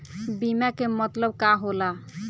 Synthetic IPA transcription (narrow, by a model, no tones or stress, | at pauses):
bimakemɔt̪lɔb̚kaɦola